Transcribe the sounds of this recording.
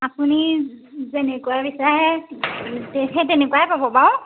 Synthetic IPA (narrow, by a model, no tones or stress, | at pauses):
apunizenɛkuabisɔaɦɛ | teɛtenɛkuwaɦɛpabɔpaʊ̃